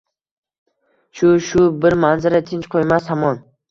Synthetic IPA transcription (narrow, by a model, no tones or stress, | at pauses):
ʃʊʃʊbɪɾmanzaɾat̪ʰɪnt͡ʃqʰojmashamɒn